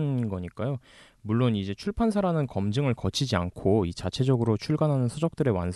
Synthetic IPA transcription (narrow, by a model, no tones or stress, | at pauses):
nɡʌɲik͈ajo | muɭːonid͡ʑe̞t͡ɕʰuɭpʰansʰaɾanɯnkʌmd͡ʑɯŋɯɭkʌt͡ɕʰid͡ʑiankʰoit͡ɕat͡ɕʰe̞d͡ʑʌɡɯɾot͡ɕʰuɭɡanɦanɯnsʰod͡ʑʌk̚t͈ɯɾe̞wa̰nsʰ